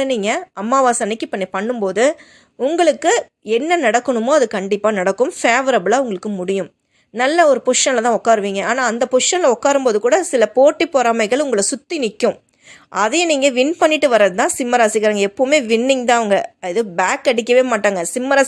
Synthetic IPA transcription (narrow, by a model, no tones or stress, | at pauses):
ɐniːŋɡɐɐmːaːʋaːsɐnɪkːɯpːɐnːipɐɳːɯmpoːðɯ | ʊŋɡɐɭɯkːɯ | ɛnːɐnɐɽɐkːɐɳɯmoːɐðɯkɐɳɖɪpːaːnɐɽɐkːɯmfeːʋɐɾɐbɯɭaːʊŋɡɐɭɯkːɯmʊɽɪjɯm | nɐlːɐɔɾɯpʊʂɐnlɐt̪ãːɔkːaːɾɯʋiːŋɡɐaːnaːnd̪ɐpʊʂɐnlɐɔkːaːɾɯmpoːðɯkuːɽɐsɪlɐpoːʈːipɔɾaːmɐɪɣɐɭʊŋɡɐɭɐsʊt̪ːinɪkːʊ̃ | ʔɐðɛniːŋɡɐʋɪnpɐɳːɪʈːɯʋɐɾɐðɯt̪ãːsɪmːɐɾaːsɪkːɪɾaːŋɡɐɛpːoːmeːʋɪnːɪŋt̪̬ãːɐʋɐŋɡɐɪðɯbaːkːɐɽɪk̬ʲːɐʋeːmaːʈːaːŋɡɐsɪmːɐɾaː